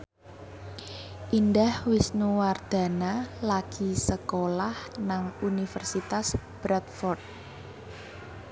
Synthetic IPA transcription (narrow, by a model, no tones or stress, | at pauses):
ʔindahwisnuward̪̥a̤nalaɡ̥i̤səkolahnaŋunifərsit̪as | b̥ɾat̪̚fɔrt̪̚